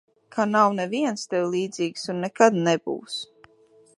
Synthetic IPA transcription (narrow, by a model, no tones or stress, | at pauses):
kʰanawnɛviɛnst̪ɛwlˠiːd̪ziːksunːɛkad̪nɛbṵws